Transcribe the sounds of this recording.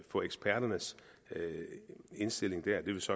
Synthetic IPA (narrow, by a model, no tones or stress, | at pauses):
fɔ̽eɡ̥sb̥ʰæɐ̰ɾ̥ɐnəs | e̝nsd̥e̝l̰e̝ŋd̥æɐ̰d̥e̝ʋe̝lsɒ̽